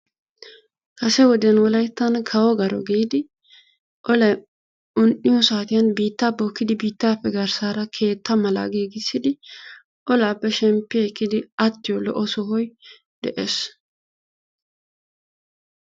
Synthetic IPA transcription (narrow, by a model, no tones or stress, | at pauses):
kɐsɛwɔd̪ɛnwɔlɐjt̪ːɐnkʰɐwɔɡɐɾɔ̰ɡiːd̪ɪ | ʔɔlɐj | ʊnʔɪjɔsaːt̪ɪjɐnbiːt̪ːaːboːkːɪd̪ɪbiːt̪ːaːpːɛɡɐɾsaːɾɐkʰe̞ːt̪ʰːɐmɐla̰ːɡeːɡɪsːɪd̪ɪ | ʔɔlaːpːɛʃɛmpːɪkːɪd̪ɪɐt̪ːɪjɔlɔ̰ʔɔsɔhɔj | d̪ɛʔes